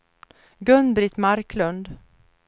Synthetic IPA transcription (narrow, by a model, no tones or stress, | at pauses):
ɡɵnbɾɪt̪maɾklɵnd̪